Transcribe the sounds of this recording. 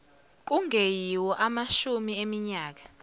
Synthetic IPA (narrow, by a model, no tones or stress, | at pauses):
k̬uŋʱejiwɔʔamaʃumiemiɲaːk̬ḁ